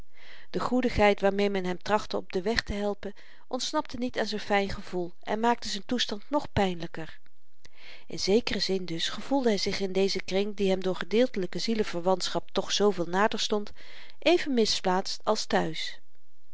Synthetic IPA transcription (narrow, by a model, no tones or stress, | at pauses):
d̥əχudəχɦɛjtʋaːɹmejmɛnɦɛmtrɑχtəɔb̚dəʋɛχtəɦɛlˠpən | ʔɔntsnɑp̚tənitaːnzɛjnfɛjnχəv̥ulˠʔɛ̰nmaːk̚təzɛntustɑntnɔχpɛjnləkəɹ | ʔɪ̰nzejkərəzɪndɵsχəv̥ulˠdəɦɛjzɪχɪndejzəkrɪŋdiɦɛmdʊːɹχədɪːlˠtələkəziləv̥əɹʋɑntsχɑp̚tɔχsowvɪːlˠnaːdəɹstɔnt | ʔejvənmɪsplaːtstɑlˠstœɥs